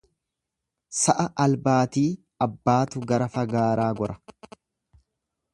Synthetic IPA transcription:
sɐʔɐʔɐlbaːt̪iː | ɐbːaːt̪ʊɡɐɾɐfɐɡaːɾaːɡɔɾɐ

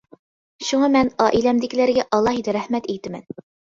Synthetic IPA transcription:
ʃuŋɑmɛnɑːʔilɛmd̪ɪkʲilæɾɡʲɛʔɑlˠːɑɦid̪ɛɾæhmɛt̪ejt̪ɪmɛ̰n

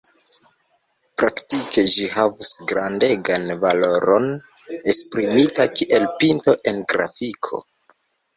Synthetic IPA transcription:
pɾaktike̞d͡ʒihavusɡɾande̞ɡanvalo̞ɾo̞n | e̞spɾimitakiʔe̞lpinto̞ʔe̞nɡɾa̰fikʰo̞̰

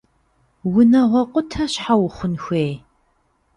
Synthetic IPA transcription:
wʊnɐʁʷɔqʷʼʊtʰɐɕħawχʷʊnxʷeː

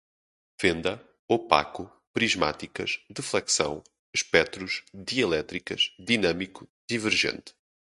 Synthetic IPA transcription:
vẽnd̪ɐ | ɔpa̰ku | pɾiʒma̰t̪ikɐʃd̪ɨflˠɛksɐ̰̃w̃ | ʃpɛt̪ɾuʃðiɐlˠɛt̪ɾikɐʃd̪inɐmikud̪ivɨɾʒḛ̃nt̪

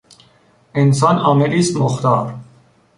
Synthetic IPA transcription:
ensɑːnɒːmeɾiːst̪moxt̪ɑːɾ

